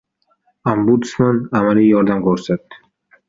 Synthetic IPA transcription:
ambut̪smanamalijɒɾd̪amkʰoɾsat̪ːɪ̥

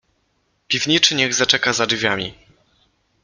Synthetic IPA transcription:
pʲivɲit͡ʂɘɲɛɣzat͡ʂɛkazadvʲjamʲḭ

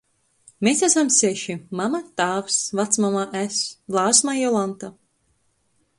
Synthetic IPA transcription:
mesæsamsɛʃimamat̪aːfsvat̪smamaʔæslˠaːsmajɔlˠant̪a

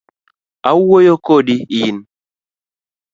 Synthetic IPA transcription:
auwojokoɗiijin

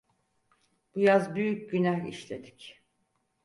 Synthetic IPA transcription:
b̥ujazbyjycɟynæhḭʃlʲed̪i̥c

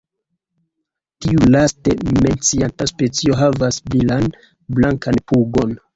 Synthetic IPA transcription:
tiulastement͡siantaspe̞t͡sio̞ɦavasmilan | blaŋkanpuɡo̞n

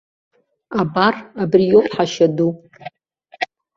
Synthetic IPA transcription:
abarabrijowpħaʃadu

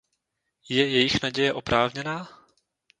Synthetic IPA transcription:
jɛjɛjɪxnaɟɛjɛʔopɾʔaːvɲɛnaː

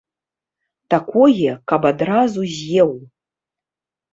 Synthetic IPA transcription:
t̪akʷʰojɛkabad̪razuzʲjew

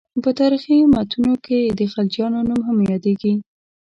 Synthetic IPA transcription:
pət̪ɑɾiximat̪ʰunoked̪əxald͡ʒjɑnonumɦamjɑd̪eɡi

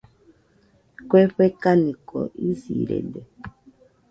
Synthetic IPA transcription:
kwɛɸɛkanikɔ̰ʔiziɾɛ̰dɛ

